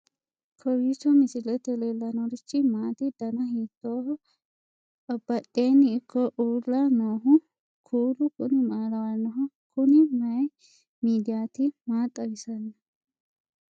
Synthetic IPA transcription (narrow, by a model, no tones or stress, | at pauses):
kʰɔɾiːsɔmɪsɪlɛt̪ɛlelːɐnɔɾɪt͡ʃːɪmaːt̪ɪd̪ɐnɐɦiːt̪ːoːɦɔ | ɐbːɐt̪ʼːeːnːɪːkʰːɔʔuːlːɐnoːɦʊ | kʰuːɾʊkʊnɪmaːɾɐwanɔɦʊ | kʰʊnɪmɐj | miːd̪ɪjaːt̪ɪmaːt̪ʼːɐɡɪsɐnːɐ